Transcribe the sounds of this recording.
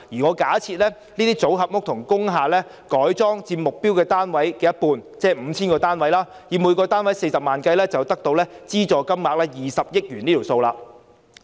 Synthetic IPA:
jiː˨˩ŋɔː˨˧kaː˨˥t͡sʰiː˧t̚lɛː˥ | niː˥t̪iː˥t͡so˨˥wɦɐ˨p̚ŋʊ˥k̚t̪ʰʊ˨˩ŋkʊ˥ŋɦaː˨lɛː˥ | kɔː˨˥jt͡sɔː˥ŋt͡siː˧pmʊ˨k̚pi˥wkɛː˧t̪aː˥nwɐ˨˥jkɛː˧jɐ˥t̚puː˧nt͡sɛː˥m̩ː˨˧t͡sʰiː˥nkɔː˧t̪aː˥nwɐ˨˥jlaː˥ | jiː˨˥muː˨˧jkɔː˧t̪aː˥nwɐ˨˦˥jse˧jsɐ˨p̚maː˨˩nkɐ˧jlɛː˥t͡sɐ˨wt̪ɐ˥k̚t̪o˧wlɛː˥t͡siː˥t͡ʃɔː˨˧kɐ˥mmaː˨k̚lɛː˥jiː˨sɐ˨p̚jɪ˥k̚jyː˨˩niː˥t̪ʰi˨˩wso˧wlaː˧

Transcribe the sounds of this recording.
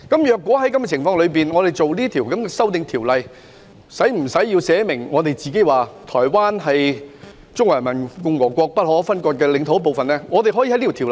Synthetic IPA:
kɐ˨˦˥mjœː˨˧kːwɔː˨˥ɦɐ˨˥jkɐ˥mɛ˥˨˩t͡sʰɪ˨˩ŋfɔː˧ŋlɵ˨˧ɥpiː˨nŋɔː˨˧d̪e˨jt͡so˨wliː˥t̪ʰiː˨˩wkɐ˨˥mkɛː˧sɐ˥wt̪ɪ˨˧ŋt̪ʰiː˨˩wlɐ˨j | sɐ˨˥jm̩˨˩sɐ˨˥jːiː˧wsɛː˨˥mɪ˨˩ŋŋɔː˨˧t̪e˨jt͡siː˨˧ke˨˥jwaː˨t̪ʰɔː˨˩jwaː˥nɦɐ˨j | t͡sʊ˥ŋwɐː˨˩mɐ˨˩nkʊ˧ŋwɔː˨˩kʷɔː˧k̚pɐ˥t̚ɦɔː˨˦˥fɐ˥nkɔː˧t̚kɛː˧lɪ˨˧˥ŋt̪ʰo˧˥wp̬o˨wfɐ˨nlɛː˥ŋɔː˨˧t̪e˨jɦːji˧ɐ˦liː˥˨t̪ʰːl

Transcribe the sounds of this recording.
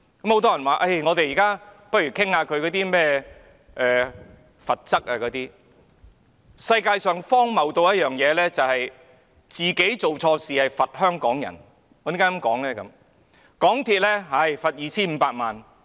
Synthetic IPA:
kɐ˨˥mho˧˥wt̪ɔː˥jɐ˨˩nwaː˨˩ʔɐ˥˩jŋɔː˨˧t̪e˨jiː˨˩kaː˥pɐ˥t̚ɥyː˨˩kʰɪ˥ŋhaː˧kʰɵ˨˧ɥkɔː˨˧˥t̪iː˥mɛː˥ | ʔɛː˨ | fɐ˨t̚t͡sɐ˥k̚aː˧kɔː˨˧t̪iː˥ | sɐ˧jkaː˧jsœː˨˧ŋfɔː˥ŋmɐ˨wt̪o˧wjɐ˥t̚jœː˨˩ŋjɛː˨˧lɛː˥t͡sɐ˨whɐ˨j | t͡siː˨ke˨˥jt͡so˨wt͡sʰɔː˧siː˨hɐ˨jfɐ˨t̚hœː˥ŋkɔː˨˥ŋjɐ̰˨˩n | ɔː˧t̪i˨˥ŋkaː˥kɐ˨˥mkɔː˨˥ŋlɛː˥kɐ˨˥m | kɔː˨˥ŋt̪ʰiː˧t̚lɛː˥ɦɐ˨jfɐ˨t̚jiː˨˧t͡sʰiː˥nm̩˨˧paː˧t̚maː˨n

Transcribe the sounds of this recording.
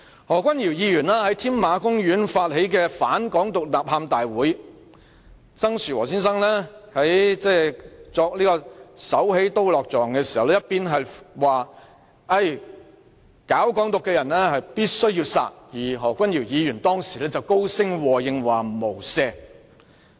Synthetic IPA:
hɔː˨˩kʷɐ˥njiː˨˩wjiː˧jyː˨˩nlaː˥hɐ˨˥jt̪ʰiː˥nmaː˨˧kʊ˥ŋjyː˨˥nfaː˧t̚he˨˥jk̬ɛː˧faː˨˥nkɔː˨˥ŋt̪ʊ˨k̚laː˨˩p̚haː˧mt̪aː˨jwuː˨˥j | t͡sɐ˥ŋsyː˨˩wɔː˨˩siː˥nsɐ˥ŋlɛː˥hɐ˨˥jt͡sɛː˥t͡sɔː˧k̚liː˥kɔː˧sɐ˨˥whe˨˥jt̪o˥wlɔː˨k̚t͡sɔː˨˩ŋkɛː˧si̥ː˨˩hɐ˨wlɛː˥jɐ˥piː˥nɦɐ˨jwaː˨ | ɐ˥˧j | kaː˨˥wkɔː˨˥ŋt̪ʊ˨kːɛː˧jɐ˨˩nlɛː˥hɐ˨jpiː˥t̚sɵ˥ɥjiː˧wsa̰ː˧k̚jiː˨˩ɦɔː˨˩kʷɐ˥njiː˨˩wjiː˨˧jyː˨˩nt̪ɔː˥ŋsi̥˨˩lɛː˥t͡sɐ˨wko˥wsɪ˥ŋwɔː˨˩jɪ˨˧ŋwaː˨˩mo˨˩wsɛː˧

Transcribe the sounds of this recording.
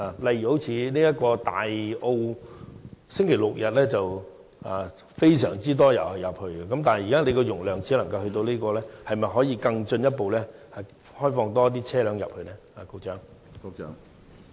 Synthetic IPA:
aː˨˩lɐ˨jy˨ho˨˥wt͡sʰiː˧niː˥jɐ˥t̚kɔː˧t̪a̰ː˨˩jo˧w | sɪ˥ŋkʰe˨˩lʊ˨k̚jɐ˨t̚lɛː˥t͡sɐ˨w | aː˨ | fe˥js̬œː˨˩ŋt͡siː˥t̪̬ɔː˥jɐ˨˩whɐ˨˩jɐ˨˩p̚hɵ˧ɥɡɛ˧kɐ˨˥mt̪aː˨nɐ˨˩ji˨kaː˥ne˨˧kɔː˧jʊ˨˩ŋlœː˨˩ŋt͡si˨˥lɐ˨˩ŋkɐ˧whɵ˧t̪o˧wliː˥kɔː˧lɛː˥hɐ˨jmɐ˨jɦɔː˨˥jiː˧kɐ˧ŋt͡ʃɵ˧njɐ˥t̚po˨wlɛː˥hɐ˨ | hɔː˥jfɔː˧ŋt̪ɔː˥t̪̬iː˥t͡sʰɛː˥lœː˨˥ŋjɐ̰˨p̚hɵ˧lɛː˥aː˨ko˧wt͡ʃœː˨˥ŋː˧˥

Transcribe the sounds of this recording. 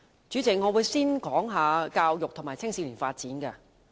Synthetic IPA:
t͡ʃy˨˥t͡sɪ˨k̚ŋɔ˨˧wuː˨˧jsiː˥nkɔː˨˥ŋɦaː˨˧kaː˧wjʊ˨k̚t̪ʰʊ˨˩ŋmaː˨˩jt͡sʰɪ˥ŋsiː˧liː˨˩faː˧t̚t͡siː˨˥nkɐ˧

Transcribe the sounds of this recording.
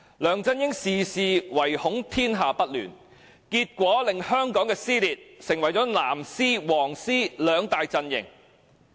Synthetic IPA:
lœː˨˩ŋt͡sɐ˧njɪ˥ŋsiː˨siː˧wɐ˨˩jhʊ˨˥ŋt̪ʰiː˥nɦaː˨˧pɐ˥t̚ly̰ː˨˩n | kiː˧t̚kʷɔː˨˥lɪ˨ŋhœː˥ŋkɔː˨˥ŋkɛː˧siː˥liː˨t̚sɪ˨˩ŋwɐ˨˩jt͡sɔː˨˥naː˨˩msiː˥wɔː˨˩ŋsiː˥lœː˨˧ŋt̪aː˧jt͡sɐ˧njɪ̰˨˩ŋ

